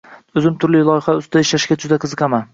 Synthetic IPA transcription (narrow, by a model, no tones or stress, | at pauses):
ɵzɪmt̪ʰʊɾlɪlˠɒjɪχaʊsaɪʃlaʃɡʲad͡ʒʊd̪aqʰɨzɨqɑman